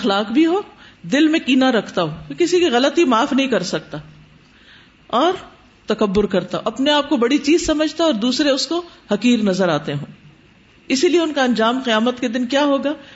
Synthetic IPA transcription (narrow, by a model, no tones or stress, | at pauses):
ɐxlaːqbʱiɦoːd̪ɪlmẽkiːnaɾɐkʰt̪aɦoːkɪsikiɣɐlət̪imaːfnɐɦĩkɐɾsɐk̚t̪aː | ɔːɾ | t̪ɐkɐbːʊɾkɐɾt̪aoʔɐpneaːp̚kobɐɽit͡ʃiːzsɐməd͡ʒʱt̪aɔːɾd̪uːsɾeʊskohɐqiːɾnɐzəɾaːt̪eɦõː | ɪsilieʊnkaɐ̃nd͡ʒaːmqijaːmət̪ked̪ɪnkjaːɦoːɡaː